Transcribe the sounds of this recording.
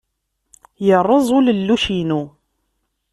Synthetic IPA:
jərˤːəzˤʊləlːuʃinu

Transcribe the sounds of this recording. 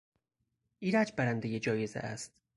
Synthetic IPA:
ʔiːɾæd͡ʒbæɾænd̪ejed͡ʒɒːje̞zḛʔæst̪

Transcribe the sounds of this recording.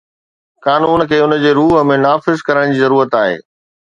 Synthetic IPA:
kaːnuːnkʰeːʊnəd͡ʑeːɾuːɦəmẽnaːfɪzkɐɾəɽ̃d͡ʑiːzɐɾuːɾət̪aːɦḛː

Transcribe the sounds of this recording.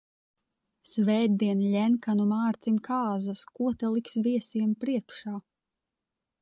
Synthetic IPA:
svɛjd̪d̪iɛnlʲɛnkanumaːɾt̪simkʰaːzaskuɔt̪ɛlˠiksviɛsiɛmpɾiɛkʃaː

